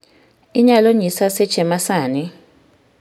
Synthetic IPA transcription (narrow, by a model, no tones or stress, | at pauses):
iɲaloɲisasɛ̥ʒ̥ʱɛmasaːni